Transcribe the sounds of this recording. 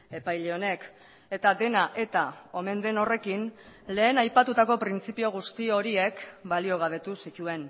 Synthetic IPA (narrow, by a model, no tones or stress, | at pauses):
e̞pajʎe̞o̞ne̞k | e̞t̪ad̪e̞naʔe̞t̪ao̞me̞nd̪e̞no̞re̞kin | le̞ːnajpat̪ut̪ako̞pɾint͡sipio̞ɣ̞ust̪io̞ɾie̞kbalio̞ɣ̞aβ̞e̞t̪usit̪ue̞n